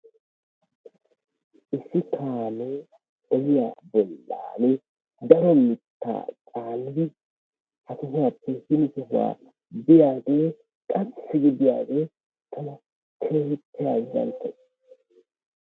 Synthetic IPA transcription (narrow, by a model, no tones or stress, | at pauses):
ʔɪsːɪt̪ʰaːne | ɔjɪjaːbɔlːa̰ːnɛ | d̪ɐɾɔmɪt̪ːa̰ːt͡sʼaːnɪd̪ɪ | hɐt̪ʊɦʊwaːpːɛhɪnɪsɛhʊwa̰ː | bɪjaːɡe | kʼɐsːɪɡɪd̪ɪja̰ːɡe | t̪ʰɐnɐ | t̪ʰeːhɪt̪ʰːɪjaːzɐ̰nt̪ːɐs